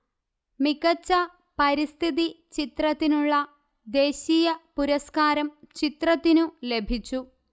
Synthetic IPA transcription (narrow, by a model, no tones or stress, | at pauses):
mikɐt͡ɕːɐ | pɐɾist̪ʰiði | t͡ɕit̪rɐt̪ːinuɭːɐ | d̪e̞ːɕijɐpuɾɐskaːɾɐmt͡ɕit̪rɐt̪ːinule̞bʱit͡ɕːu